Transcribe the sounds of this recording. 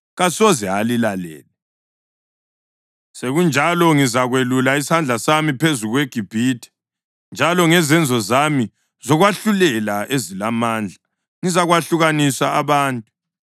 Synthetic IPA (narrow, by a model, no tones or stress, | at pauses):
ɣasɔzɛalilalɛ̰ːlɛ | seɣund͡ʒʱalɔŋizaɣwelulaishand͡ɮʱasamipʰezuɣweɡ̥ʱib̥ʱiːtʰʼɛ̥ | nd͡ʒʱalɔŋɛzɛnd͡zʱɔzami | zɔɣwaɬulɛlaʔezilamaːnd͡ɮʱa | ŋizaɣwaɬuɣanisaːβaːntʼu